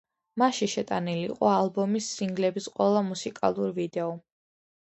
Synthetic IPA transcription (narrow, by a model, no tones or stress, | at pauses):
maʃiʃɛt̪ʼaniliqʼɔalˠbɔmisːiŋɡlɛbisqʼwɛlˠamusikʼa̰lˠuɾivid̪ɛɔ